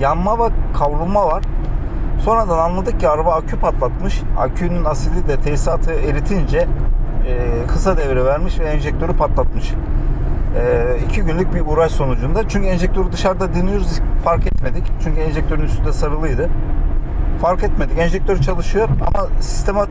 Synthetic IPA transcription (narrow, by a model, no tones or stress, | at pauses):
janmavɛkʰavɾumavaɾ̥so̞nɾad̪ananlˠad̪ɯk̚cʰiaɾabaacʰypʰat̪lˠat̪mɯʃa̰cʰynynasɯlʲid̪ɛt̪ʰejsaːt̪ʰɯeɾit̪ʰind͡ʒɛ | kʰɯsad̪ɛvɾɛvæɾmiʃvɛːnʒɛc̚t̪ʰø̞ɾypʰat̪lˠat̪̚mɯʃ | icʰiɟynlʲycbiuɾaʃso̞nud͡ʒund̪at͡ʃʰyɲcyɛnʒɛc̚t̪ʰø̞ɾud̪ɯʃaɾd̪ad̪ɯnɯjo̞ɾuzfaɾkɛt̪me̞d̪ict͡ʃʰyɲcʰyɛnʒɛc̚t̪ʰø̞ɾynyst̪ʰynd̪ɛsaɾɯlˠɯjd̪ɯ | faɾkɛt̪me̞d̪icɛnʒɛc̚t̪ʰø̞ɾyt͡ʃʰalˠɯʃɯjo̞ɾa̰masi̥st̪ʰe̞ma